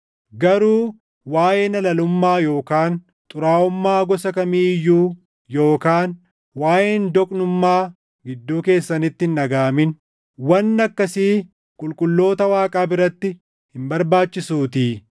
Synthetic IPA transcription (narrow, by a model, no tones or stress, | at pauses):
ɡɐɾuː | waːjeːnɐlɐlʊmːaːjo̞ːkaːn | t̪ʼʊɾaːʊmːaːɡɔsɐkɐmiːjːuː | jo̞ːkaːn | waːjeːnd̪ɔkʼnʊmːaː | ɡɪd̪ːuːke̞ːsːɐnɪt̪ːɪnːɐɡaːmɪn | wɐnːɐkːɐsiː | kʼʊlkʼʊlːo̞ːt̪ɐwaːkʼaːbɪɾɐt̪ːɪ | hɪmbɐɾbaːt͡ʃːɪsuːt̪iː